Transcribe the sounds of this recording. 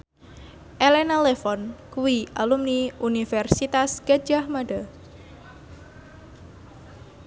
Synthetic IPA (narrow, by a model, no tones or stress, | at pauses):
ʔelenalefɔnkuwiʔalumniunifɛrsit̪asɡ̥ḁd͡ʒahmaɖa